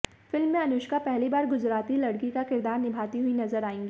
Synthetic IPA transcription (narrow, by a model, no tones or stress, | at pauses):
fɪlmːẽɐnʊʃkapɛɦlibaːɾɡʊzɾaːt̪ilɐɽkikakɪɾd̪aːɾnɪbʱaːt̪iɦuinɐzəɾaːẽːŋɡiː